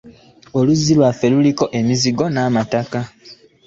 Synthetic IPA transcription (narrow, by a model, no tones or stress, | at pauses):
o̞luzːilwafːe̞luliko̞ʔe̞miziɡo̞naːmataka